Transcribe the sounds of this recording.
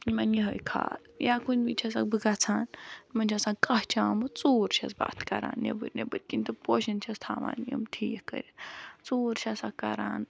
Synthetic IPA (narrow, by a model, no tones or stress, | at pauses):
imɐnjiɦɐjkʰa̰ːljaːkunbit͡ʃʰɐs̬ak̚bɨɡat͡sʰaːnmɐnd͡ʒʰɐsãːkɐɦt͡ʃʰaːmɐt͡suːɾt͡ʃʰɐ̰zba̰ːt̪ʰkɐɾa̰ːnːḛbɨɾnebəɾkinʲt̪ɨpoːʃɐnt͡ʃʰɐst̪ʰaːʋa̰ːnjɐ̰mtʰiːkkːə̰ɾʲit͡suːɾt͡ʃʰʲɐsakɐɾaːn